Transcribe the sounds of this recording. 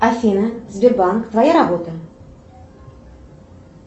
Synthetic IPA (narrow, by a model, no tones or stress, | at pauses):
afʲinəzbʲɪrbankt̪vajaɾabo̞t̪ə